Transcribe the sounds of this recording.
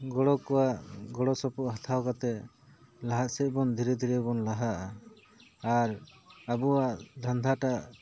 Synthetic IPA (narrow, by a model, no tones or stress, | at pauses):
ɡɔɽɔkɔwaʔɡɔɽɔsɔpɔʔɦat̪ʰawkat̪ɛ | laɦaʔsɛʔ̚bɔnd̪ʱiɾɛd̪ʱiɾɛbɔnlaɦaʔaː | ɾabuwaʔd̪ʱand̪ʱaʈaʔ